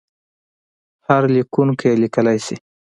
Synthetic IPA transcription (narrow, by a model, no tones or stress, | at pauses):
haɾlikunkjelikəlajsi